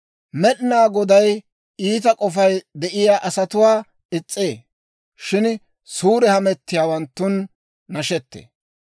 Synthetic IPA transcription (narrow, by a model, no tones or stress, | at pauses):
mɛɗnaːɡɔd̪ɐj | iːt̪̬ɐkʼɔfɐjd̪ɛʔɪjaːʔɐsɐt̪ʊwaː | ɪt͡sʼːeː | ʃɪn | suːɾɛhɐmɛt̪ːɪjaːwɐnt̪ːʊnː | ɐʃɛt̪ːḛː